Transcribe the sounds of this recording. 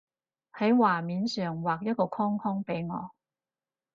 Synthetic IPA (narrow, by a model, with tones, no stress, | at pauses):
hɐ˨˥jwaː˨˩miː˨˧nsœː˨˩ŋwaː˨k̚jɐ˥t̚kɔː˧kʰɔː˥ŋkʰɔː˥ŋpe˨˥jŋɔ̰ː˨˧